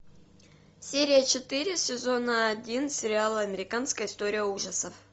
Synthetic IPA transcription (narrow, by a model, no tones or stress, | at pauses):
sʲeɾʲɪjət͡ɕɪt̪ɨɾʲɪsʲɪzo̞nəɐdʲinsʲɪɾʲɪalˠɐmʲɪɾʲɪkanskəjɪst̪o̞ɾʲɪjəuʐəsəf